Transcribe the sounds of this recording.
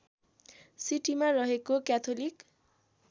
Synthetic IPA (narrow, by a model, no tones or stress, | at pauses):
siʈimarʌɦekokjat̪ʰolik